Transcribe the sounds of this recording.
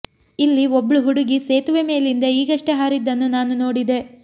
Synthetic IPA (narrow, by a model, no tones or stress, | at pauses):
ilːiobːɐɭuɦuɽuɡiseːt̪uʋeme̞ːlind̪ɐiːɡɐʂʈeɦaːɾid̪ːɐnːunaːnuno̞ːɽid̪e̞